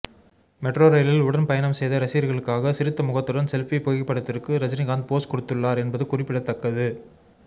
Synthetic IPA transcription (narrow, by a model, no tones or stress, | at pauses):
mɛʈroːɾɐjlɪlʊɽɐnpɐjɐnɐmsɛjðɐɾɐsiːɾɣɐɭɯkːaːɣɐsɪɾɯt̪ːɐmʊɣɐt̪ːɯɽɐnsɛlfipoːɣɪpːɐɽɐt̪ːɪrkɯɾɐd͡ʒɐnɪɣaːnd̪̚poːskʊɽɯt̪ːɯɭːaːɾɛnbɐðɯkʊrɪpːɪɽɐt̪ːɐkːɐðɯ